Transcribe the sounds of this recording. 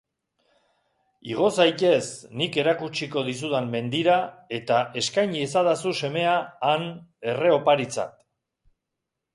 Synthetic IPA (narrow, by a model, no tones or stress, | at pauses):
iɣ̞o̞sajt̪e̞snike̞ɾakut͡ʃiko̞ð̞is̬uðamme̞nd̪iɾae̞t̪aʔe̞skajɲies̬aðasuse̞me̞aːne̞re̞o̞paɾit͡sa̰t̪